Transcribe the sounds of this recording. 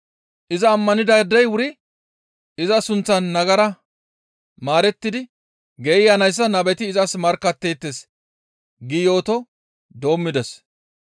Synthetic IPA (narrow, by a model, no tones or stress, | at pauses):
ʔɪzɐːmːɐnɪd̪ɐd̪ɛjwʊɾɪ | ɪzɐsʊnt͡sːɐnːɐɡɐɾɐ | maːɾɛt̪ːɪd̪ɪ | ɡɛɪjɐnɐjs̬ːɐnɐbɛt̪ɪːzɐsmɐɾkːɐt̪ːe̞ːt̪ːes | ɡɪjo̞ːt̪ɔ | d̪o̞ːmːɪd̪ɛs